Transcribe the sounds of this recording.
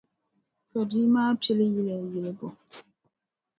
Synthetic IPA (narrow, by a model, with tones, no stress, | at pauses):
fɔ˨di˦maː˦pi˦li˦ji˦lɛ˨ji˨le˨bo˨